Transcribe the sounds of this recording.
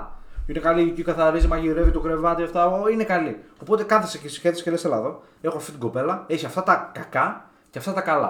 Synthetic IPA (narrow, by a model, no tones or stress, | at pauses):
ine̞kɐliicikɐθɐɾizimɐʝiɾe̞vit̪o̞kɾe̞vɐt̪iɐft̪ɐoinekɐlio̞po̞t̪e̞kɐθesecsçeθese̥celest̪elɐðo | e̞xoɐft̪it̪iɡo̞pe̞lɐe̞çiɐft̪ɐt̪ɐkɐkɐ | ceɐft̪ɐt̪ɐkɐlɐ̰